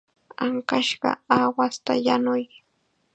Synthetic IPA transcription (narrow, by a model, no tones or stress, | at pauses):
aŋkaʃɢɑ̰awast̪ajanʊj